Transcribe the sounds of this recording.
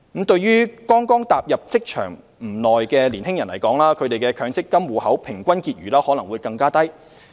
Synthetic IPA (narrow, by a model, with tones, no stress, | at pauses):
m̩˨˥t̪ɵ˧ɥɥyː˥kɔː˥ŋkɔː˥ŋt̪aː˨p̚jɐ˨p̚t͡sɪ˥k̚t͡ʃʰœ̰ː˨˩ŋ | m̩˨˩nɔː˨jkɛː˧liː˨˩nhɪ˥ŋjɐ˨˩nlɐ˨˩jkɔː˨˥ŋlaː˥kʰɵ˨˧ɥt̪e˨jkɛː˧kʰœː˨˧ŋt͡sɪ˥kːɐ˥mwuː˨˩hɐ˨˥wpʰɪ˨˩ŋkʷɐ˥nkiː˧t̚ɥyː˨˩lɐː˥hɔː˨˥lɐ˨˩ŋwuː˨˧jkɐ˧ŋkaː˥t̪ɐ˥j